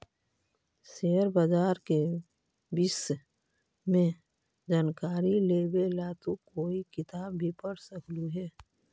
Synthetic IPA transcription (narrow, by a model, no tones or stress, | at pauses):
seːəɾbad͡ʒaːɾke | bis | mẽ | d͡ʒaːnkaːɾileːbelaːt̪ukoːikɪt̪aːbːʱipəɽsəkʰluɦɛː